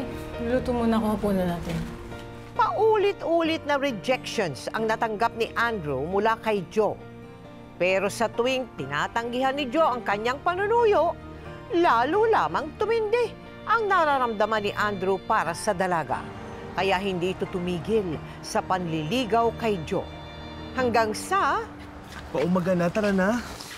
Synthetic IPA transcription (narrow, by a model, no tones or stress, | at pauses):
luːt̪umunɐkoɐpunɐnaːt̪ɪn | pɐʔuːlɪt̪ʔuːlɪt̪̚nɐɾɛd͡ʒɛkʃonsɐŋnɐt̪ɐŋɡap̚nɪʔand̪ɾumʊlakɐjd͡ʒo̞ | pɛːɾo̞sɐt̪ʊwɪŋt̪ɪnaːt̪ɐŋɡɪɦanːɪd͡ʒo̞ʔɐŋkɐɲːaŋpɐnʊnuːjoʔ | laːlulaːmɐŋt̪ʊmɪnd̪ɛ | ʔɐŋnɐɾaɾɐmd̪ɐmanːɪʔand̪ɾupaːɾɐsɐd̪ɐlaɡa̰ | kɐjaʔɦɪnd̪iːʔɪt̪ot̪ʊmiːɡɪl | sɐpɐnlɪliːɡɐwkɐjd͡ʒo̰ | hɐŋɡaŋsɐ | pɐʔʊmɐɡanat̪ɐɾɐna